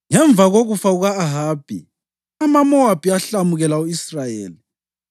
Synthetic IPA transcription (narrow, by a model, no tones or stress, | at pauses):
ŋɛɱb̪vaɣoɣufauɣaːɦaːb̥ʱḭ | amamɔwab̥ʱiaɬamuɣɛlauisrajḛːli